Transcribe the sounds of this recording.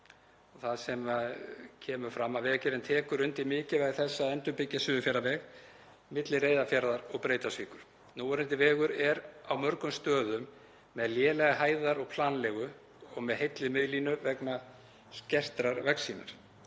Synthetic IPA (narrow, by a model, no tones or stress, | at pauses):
ɔɣθaðsɛmacʰɛːmʏfɾamːavɛːcɪɾɛnt̪ʰɛːkʏɾʏnt̪imɪːcɪvaːjɣθɛsːaðɛnt̪ʏpɪcːasʏːðʏfjɛɾavɛɣ | mɪt̪lɪreːjðafjaɾðaɾɔɣpɾeːjt̪asviːkʏɾ̥ | nuːɾɪnt̪ɪvɛːɣʏɾɛɾawmœɾkʏmst̪œːðʏmː | ɛðljɛːlɛɣaɦaːjðaɾɔɣpʰlaːnlɛɣʏ | ɔɣmɛðhejt̪lɪmɪðlinʏvɛkna | scɛr̥t̪ɾaɾvɛksiːna̰ɾ̥